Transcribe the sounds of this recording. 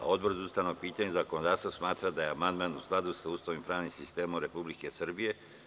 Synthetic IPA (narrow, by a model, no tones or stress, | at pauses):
a̰o̞d̪borzust̪anopiːt̪aɲezakonod̪aːst̪vosmaːt̪ɾad̪ajeamand̪maːnusklˠad̪usauːst̪aʋimpɾaːʋnimsist̪e̞ːmomɾe̞publike̞sr̩bije̞